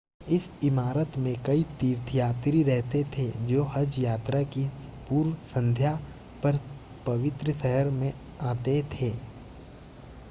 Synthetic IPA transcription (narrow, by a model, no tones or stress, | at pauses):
ɪsɪmaːɾət̪mẽkɐit̪iːɾt̪ʰjaːt̪ɾiɾɛɦt̪et̪ʰed͡ʒoːɦɐd͡ʒjaːt̪ɾakipuːɾsə̃nd̪ʱja | pɐɾ | pɐʋɪt̪ɾəsəɦəɾmẽ | aːt̪et̪ʰeː